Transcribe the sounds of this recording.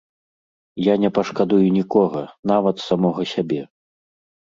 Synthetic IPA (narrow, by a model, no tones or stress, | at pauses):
janʲɛpɐʂkad̪ujunʲikɔɣɐn̪avɐt̪samɔɣɔsʲabʲɛ